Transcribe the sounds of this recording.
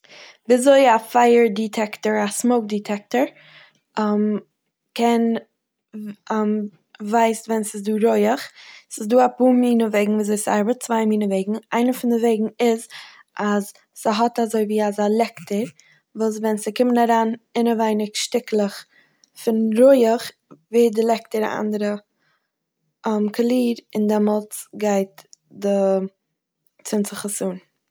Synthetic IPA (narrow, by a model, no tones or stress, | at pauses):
bizoɪafaɪəɾditʰɛktəɹasmoʊk̚ditʰɛk̚təɾ | m | kʰɛn | m | vaɪsvɛnsɪsduːɾɔɪəχsɪsduːapuːmiːnəveɪɡŋ̩viːzoɪsa̰ɾbət͡svaɪmiːnəveɪɡŋ̩aɪnəfɪndɪveɪɡŋ̩ɪz | ʔaz | səɦɔtazoɪviːazalˠɛktəɾ | vuːs̬vɛnsɪkɪmənaɾaːnɪnavaɪnɪkʃtɪklˠəχ | fɪnɾɔɪəχ | viːdɪlˠɛk̚təɾa̰ʔa̰ndəɾə | əmkʰəlˠiːɾɪndɛmɔlˠt͡sɡaɪt̚dɪ | t͡sɪnt͡səχəsuːn